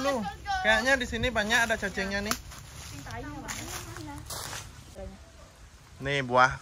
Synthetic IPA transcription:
lukajaʔɲadisinibaɲaʔadat͡ʃat͡ʃɛŋɲanɪh | nɪhbuah

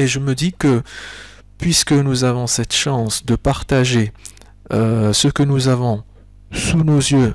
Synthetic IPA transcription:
eʒəməd̪ikə | pɥiskənuzavɔ̃sɛt̪ʃɑ̃sd̪əpaʁt̪aʒe | øsəkənuzavɔ̃ | sunozjø

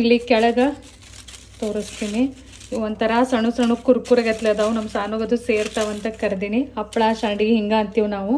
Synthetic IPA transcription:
ilːikɛɭɐɡɐ | t̪oːɾist̪iːni | ond̪t̪ɐɾɐsɐɳusɐɳukuɾkuɾɐɡɐt̪led̪ɐʋunɐmɐsaːnuɡɐd̪useːɾt̪aʋɐnt̪ɐkɐɾd̪iːniɐpːɭaːʃaːɳɖiɡeɦiŋɡaːɐnt̪iʋunaːʋu

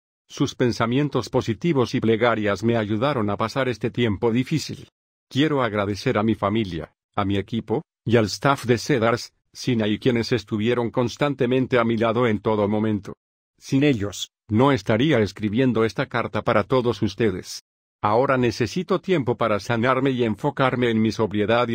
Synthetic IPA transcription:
suspe̞nsamje̞nt̪o̞spo̞sit̪iβo̞siple̞ɣaɾjasme̞aʝuðaɾo̞napasaɾe̞st̪e̞t̪je̞mpo̞ðifisḭl | kje̞ɾo̞aɣɾaðe̞se̞ɾamifamilja̰ | amie̞kipo̞ | ialest̪afd̪e̞se̞ðaɾsː | inaikje̞ne̞se̞st̪uβje̞ɾo̞ŋko̞nst̪ant̪e̞mẽ̞nt̪e̞amilaðo̞e̞nt̪o̞ðo̞mo̞mẽ̞nt̪o̞ | sine̞ʎo̞s | no̞est̪aɾiaeskɾiβje̞nd̪o̞e̞st̪akaɾt̪apaɾat̪o̞ðo̞sust̪e̞ðe̞̰s | ao̞ɾane̞se̞sit̪o̞t̪je̞mpo̞paɾasanaɾme̞ie̞ɱfo̞kaɾme̞ːnmiso̞βɾje̞ðað

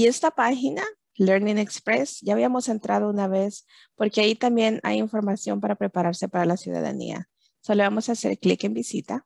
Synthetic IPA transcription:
ie̞st̪apaxina | leɾnĩŋekspɾesʝaːβiamo̞se̞nt̪ɾað̞o̞unaβe̞s | po̞ɾkeait̪ambje̞na̰jiɱfo̞ɾmasjo̞̰mpaɾapɾe̞paɾaɾse̞paɾalasjuða̰ða̰nḭa̰ | soleβamo̞saːse̞̰ɾklḭke̞mbisit̪a

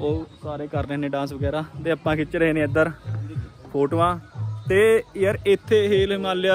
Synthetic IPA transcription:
oːsaːɾeːkəɾneːnẽːɖãːnsʋəɡɛːɾaːt̪eːapːãːkɪt͡ʃɾəɦeːnẽːəd̪əɾ | pʰoːʈʋãːt̪eːjəɾɪt̪ʰːeːɦiːlːmaːlɪjaː

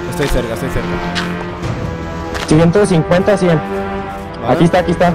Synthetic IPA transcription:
est̪ojseɾkast̪ojseɾka | siɣent̪osiŋkwent̪asjen | akiest̪aːkist̪a

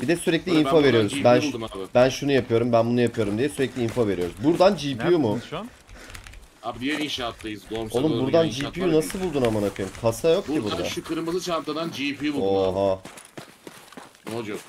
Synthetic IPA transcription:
b̥id̪ɛsyɾɛclʲiinfave̞ɾijo̞ɾuzbænʃabɪbænʃunujapʰɯjo̞ɾumbænbunujapʰɯjo̞ɾumd̪ijɛsyɾɛclʲiinfave̞ɾijoɾuzbuɾd̪and͡ʒiːpʰijumu | abd̪ijɛɾinʃaːt̪lajɯzɡooumbuɾd̪and͡ʒipijunasɯlˠbulˠd̪unamanakʰɯjumkʰasajo̞k̚cʰibud̪a̰ʃɯkɯɾɯmɯzɯt͡ʃʰant̪ad̪and͡ʒipʰijubuoɦa | od͡ʒo

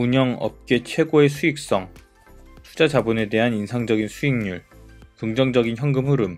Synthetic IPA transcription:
uɲʌŋʌ̰p̚k͈e̞t͡ɕʰwe̞ɡoe̞sʰuik̚s͈ʌŋ | tʰu̥d͡ʑad͡ʑabune̞de̞ɦaninsʰaŋd͡ʑʌɡinsʰuiŋɲuɭkɯŋd͡ʑʌŋd͡ʑʌɡinçjʌŋɡɯmuɾɯm

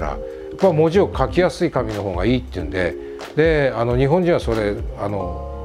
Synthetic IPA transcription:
ɾa̰ | apːaimo̞ʑiokʰakʲijasɨikamʲino̞ɦo̞ːɡa̰iːt̪ːeɯ̟̰̃nd̪e̞̰ | d̪e̞ano̞ɲ̟iɦõɲ̟d͡ʑĩɰ̃βasoɾe̞ano̞

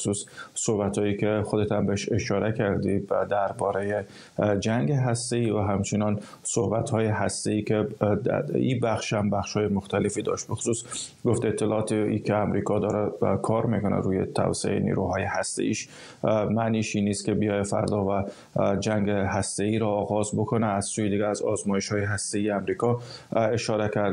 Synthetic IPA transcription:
suːssohbæt̪hɒːjiːkʰexod̪et̪æmbeʃe̞ʃɒːɾʔekʰæɾd̪id̪æɾbɒːɾe̞je | d͡ʒæŋɡeɦæst̪e̞iːvæɦæmt͡ʃʰenɒːn | sohbæt̪hɒːjeɦæst̪e̞iːkʰḛ | ḭːbæxʃhæmbæxʃhɒːjemoxt̪ælefiːd̪ɒ̰ːʃt̪bexo̥suːs | ɡoft̪et̪ʰːelɒɒt̪ʰeikʰeæmɾikʰɒd̪ɒːɾækʰɒɾmikonæ̰ɾuːjḛt̪ʰæ̰vseḛḛnḭɾuɦɒːjehæst̪ḛḭːʃ | mæniːʃiːniːst̪kʲe̞bijɒjefæ̰ɾd̪ɒvæ | d͡ʒæŋɡeɦæst̪e̞iːɾɒːɣɒːzbokʰonæːz̥suːjed̪iɡʲææzɒzmɒːjeʃhɒːjeɦæst̪e̞iːjeæmɾiːkʰɒeʃɒːɾekʰæɾd̪

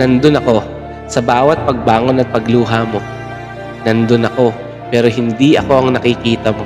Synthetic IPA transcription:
nɐnd̪onɐko̞ | sɐbaːwɐt̪̚pɐɡ̚baːŋo̞nɐt̪̚pɐɡluːɦamo̞ | nɐnd̪onɐko̞ | pɛːɾo̞ɦɪnd̪iʔɐ̰ko̞ʔɐŋnɐkɪkiːt̪ɐmo

